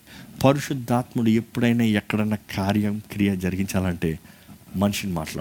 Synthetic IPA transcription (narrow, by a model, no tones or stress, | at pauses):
pɐɾuʂud̪ʱːaːt̪muɽue̞pːuɽɐjneːɛkːɐɽɐjnːɐkʰaːɾjɐmkɾijɐd͡ʒɐɾiɡiɲt͡ʃaːlɐɳʈe̞ːmɐnuʂinima̰ːʈla̰ː